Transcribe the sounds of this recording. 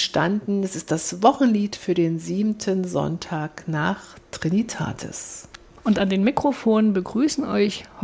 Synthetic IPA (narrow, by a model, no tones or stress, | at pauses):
ʃtandn̩ɛsɪstd̥asvɔχn̩liːtfyːɐdeːnziːbm̩tʰənzɔ̰ntʰaːknaːχtʁ̥ɪnitʰa̰ːtʰə̰s | ʔʊntandeːnmikʁ̥ofoːnənbəɡʁyːsn̩ɔ̰ɪçh